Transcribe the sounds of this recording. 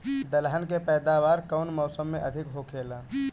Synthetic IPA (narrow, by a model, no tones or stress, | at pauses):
d̪əlɦənkepɛːd̪aʋaːɾkəʊnmɔːsəmːẽʔəd̪ʱɪkɦokʰeːla